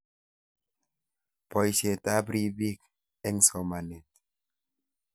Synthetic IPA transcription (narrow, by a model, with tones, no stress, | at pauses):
pɔ˨i˦˨se˨ta˦bɾi˦bi˦˨k | ɛ˦ŋ̩˦sɔ˨ma˨ne˨t